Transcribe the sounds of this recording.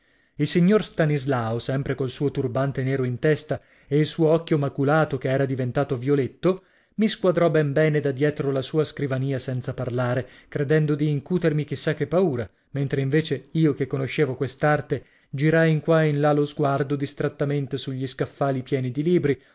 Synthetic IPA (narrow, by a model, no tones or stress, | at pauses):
ilsiɲːorst̪anizlaːosɛmpɾekolsuːot̪urbant̪eneːɾoint̪ɛst̪a | eilsuːoɔkːjomakulaːt̪okeɛːɾad̪ivent̪aːt̪ovjolet̪ːo | miskwad̪ɾɔbɛmbɛːned̪ad̪jɛːt̪ɾolasuːaskɾivaniːasɛnt̪saparlaːɾe | kɾed̪ɛnd̪od̪iːŋkuːt̪ermik̟isːakːepːauːɾa | ment̪ɾeiɱveːt͡ʃeiːokekːonoʃːeːvokwest̪art̪e | d͡ʒiɾajiŋkwainlalozɡward̪od̪ist̪ɾat̪ːament̪esuʎːiskafːaːlipjɛːnid̪iliːbɾi